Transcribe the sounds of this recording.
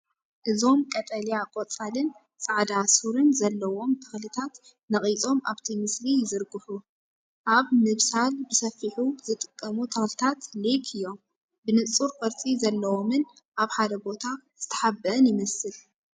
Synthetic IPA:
ʔɨzo̞mkʼɐt̪ʼɐlijakʼot͡sʼalɨn | sʼaʕd̪asuɾɨnzɐlːɐwo̞mt̪ʰɐxlɨt̪ʰat̪ | nɐχʼit͡sʼo̞maβt̪ʰimɨslijɪzɨɾɡɨħu | ʔaβmɨβsalbɨsɐfːiħuzɨt̪ʼɨkʼːɐmut̪ʰɐxlɨt̪ʰat̪lekʰɨjːo̞m | bɨnɨt͡sʼuɾfɐɾt͡sʼizɐlːɐwo̞mɨn | ʔaβħad̪ɐbo̞t̪ʰaz̥ɨt̪ʰɐ̥ħabːɐʔɨnjɪmɐsɨl

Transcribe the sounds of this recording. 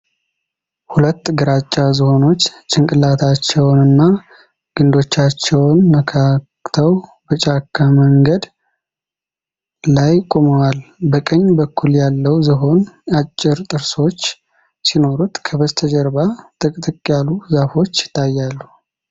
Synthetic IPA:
hulət̪ːɡɨɾat͡ʃʼːazɨho̞no̞t͡ʃːt͡ʃʼɨŋkʼɨlːat̪ʰat͡ʃːɛwnɨnːa | ɡ̥ɨnd̪o̞t͡ʃːat͡ʃːɛwnːəkʰakt̪ʰəwbət͡ʃʼakʰːaməŋɡəd̪ | lajkʼo̞məwalbəkʼəɲːbəkʰːuljalːəwzɨɦo̞nat͡ʃʼːɪɾt̪ʼɨɾso̞t͡ʃː | sino̞ɾut̪kʰəbəzt̪ʰəd͡ʒəɾbat̪ʼɨkʼt̪ʼɨkʼjaluzafo̞t͡ʃːjɪ̥t̪ʰːajːalːu

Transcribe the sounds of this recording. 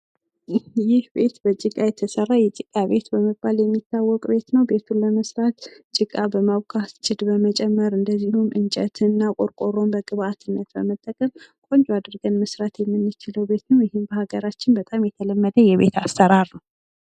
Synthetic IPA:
jɪhbe̞t̪bət͡ʃʼɨkʼajɛt̪ʰəsərːajɛt͡ʃʼɨkʼːaβe̞t̪bəmɨbaljɛmːit̪ʰːawːɔkʼbe̞t̪nəwbe̞t̪ʰunləməsɾat̪t͡ʃʼɪkʼːabəmawkʰast͡ʃʼɪd̪bəmət͡ʃʼɛmːəɾɨnd̪əzːihumʔɨnt͡ʃʼɛt̪ʰɨnːakʼoɾkʼoɾo̞mbəɡʼɨβat̪ʰɨnːət̪bəmət̪ʼːəkʼəmkʼo̞nd͡ʒwad̪ɾɡənməsɾat̪jɛmːɨnːɨt͡ʃɪləwbe̞t̪nəwjɪhɪmbəhaɡəɾat͡ʃːɪnbət̪ʼamjɛt̪ʰələmːəd̪əjɛβe̞̰t̪ʰasːəɾaɾnəw

